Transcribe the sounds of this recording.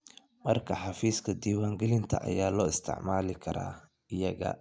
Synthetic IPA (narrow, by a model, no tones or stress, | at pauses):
mɐrkʰɐħɑfiːskʰɐd̪iːwaːŋɡɛlɪnt̪ʰɐ̰ʔɐ̰jaːlɔːɪst̪ʰɪ̰ʕmaːlɪkʰɐɾa̰ː | ɪjɐɣɐ̰